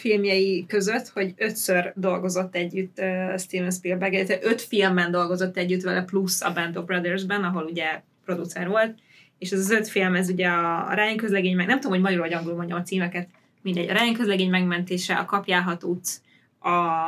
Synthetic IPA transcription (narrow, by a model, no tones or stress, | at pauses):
filmjɛjikø̞zø̞t̪ːho̞ɟø̞t̪sørd̪o̞lɡo̞zo̞t̪ːɛɟːyt̪ːøst̪iːvɛnspirbɛɡɛd̪ɛt̪ɛʔøt̪filmːɛnd̪o̞lɡo̞zo̞t̪ːɛɟːyt̪ʋɛlɛplusɒ̰bɛnd̪oːbrɒd̪ɛrzbɛnɒɦo̞luɟɛ | pɾo̞d̪ut̪sɛrʋo̞lt̪ | eːʃɛzɒzø̞t̪filmɛzuɟɛɒ̰ɾɛːjɛŋkøzlɛɡeːɲmɛɡnɛmt̪uomhomɒɟɒɾoɟɒŋɡulmo̞ɲɟɒmɒt̪siːmɛkɛt̪ | mind̪ɛɟːɒɾɛːjɛŋkøzlɛɡeːɲmɛɡmɛnt̪eːʃɛɒ̰kɒpjaːlɦɒt̪uːt̪ː | ɒ